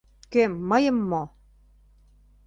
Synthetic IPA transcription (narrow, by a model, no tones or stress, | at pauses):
kemːɤjɤ̆mːo